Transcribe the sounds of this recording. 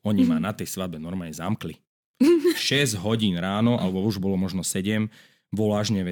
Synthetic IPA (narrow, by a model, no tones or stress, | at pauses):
ɔɲimaːnat̪ɛjsʋad̪̚bɛnɔɾmaɲɛzamkli | ʃɛzɟɦɔɟiːnɾaːnɔʔa̰lɛbɔuʒbɔlɔmɔʒnɔsɛɟɛm | ʋɔlaːʒɲɛʋɛ